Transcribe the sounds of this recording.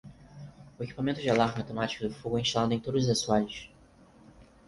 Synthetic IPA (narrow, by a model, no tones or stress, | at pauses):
ʊeki̥pamẽnt̪ʊd͡ʒɪalaɾmɪawt̪emat͡ʃi̥kʊd̪ʊfoɡʊɛĩʃt̪alad̪ʊẽt̪od̪zasuaʎʊʃ